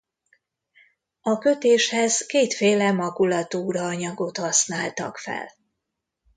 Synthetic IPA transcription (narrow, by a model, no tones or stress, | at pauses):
ɒkø̞t̪eːʃhɛzkeːt̪feːlɛmɒkulɒt̪uːɾɒːɲɒɡo̞t̪hɒsnaːlt̪ɒ̰kfɛ̰l